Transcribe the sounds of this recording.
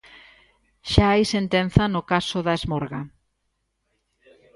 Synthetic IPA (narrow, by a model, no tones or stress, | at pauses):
ʃaajsent̪en̟θɐnʊkasʊðɐezmoɾɣa